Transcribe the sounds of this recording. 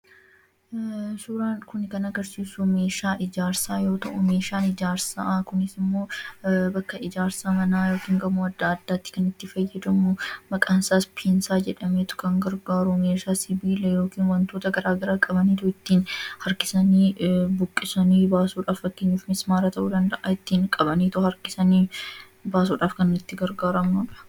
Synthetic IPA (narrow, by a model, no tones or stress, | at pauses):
suːɾaːnkʊnkɐnɐɡɐɾsiːsʊme̞ːʃaːʔɪd͡ʒaːɾsaːjo̞ːt̪ɐ̰ʔʊme̞ːʃaːnɪd͡ʒaːɾsakʊnɪsɪmːo̞ːbɐkːɐɪd͡ʒaːɾsaːmɐnaːjo̞ːkiːŋɡɐmʊɐd̪ːaːd̪ːaːt̪ːɪ̥kɐnɪt̪ːɪfɐjːɐd̪ɐmʊmɐkʼaːnsaːspʰiːnsaːd͡ʒɛᶑɐmeːt̪ʊ̥kɐŋɡɐɾɡaːɾʊmeːsaːsɪbiːlɛjoːkiːnwɐnt̪oːt̪ɐɡɐɾaːɡɐɾaːkʼɐbɐniːt̪ʊɪt̪ːiːnhɐɾkɪsɐniːbʊkʼːɪsɐniːbaːsuːᶑaːffɐkːeːɲːuːfmɪsmaːɾɐt̪ɐʔuːd̪ɐnd̪ɐʔɐɪt̪ːiːŋkʼɐbɐniːt̪ʊhɐɾkɪsɐniː | baːsuːᶑaːfkɐnɪt̪ːɪɡɐɾɡaːɾɐmnuːᶑɐ̥